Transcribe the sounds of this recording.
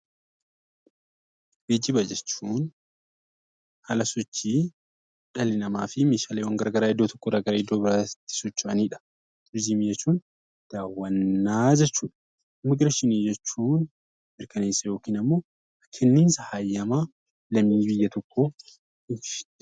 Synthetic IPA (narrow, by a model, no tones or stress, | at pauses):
beːd͡ʒɪbɐd͡ʒɛt͡ʃːuːn | hɐlɐsɔt͡ʃːiː | ᶑɐlɪnɐmaːfɪmeːʃaːleːwɐŋɡɐɾɐɡɐɾaːɪd̪ːoːt̪ɔ̥kːoɾɐɡɐɾaːɪd̪ːoːbɪɾaːt̪ːɪ̥sɔt͡ʃːʊʔɐniːᶑɐ̥ | t̪ʊɾd͡ʒiːmiːd͡ʒɛt͡ʃːuːn | d̪̥aːwːɐnːaːd͡ʒɛt͡ʃːuːᶑɐ̥ | mɪɡɾɐʃɪniːd͡ʒɛt͡ʃːuːn | mɪɾkʰɐne̞ːsːɐjo̞ːkiːnɐmːo̞ː | kʰɛnːɪːnsɐhajːɐma | lɐmiːbɪjːɐt̪ɔkːoː | ɪfɪ